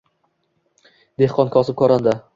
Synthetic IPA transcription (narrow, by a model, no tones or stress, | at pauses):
d̪ehqɒnkʰɒsɪp̚kʰɒɾand̪a